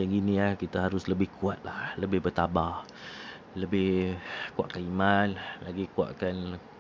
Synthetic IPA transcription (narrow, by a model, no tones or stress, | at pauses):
d͡ʒaŋiniahkit̪aɦaɾʊsləbɪhkʰuat̪̚lahləbɪhbət̪abah | ləbɪhkua̰ʔkanimanlaɡikua̰ʔkan